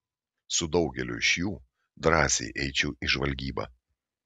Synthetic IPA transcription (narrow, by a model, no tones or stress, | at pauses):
sʊd̪ɒʊɡʲɛlʲʊ̰ɪʃjuː | d̪ɾɑːsʲḛɪʔɛɪt͡ʃʲɛːʔiʒʋɐlʲɡʲiːbɐ̰ː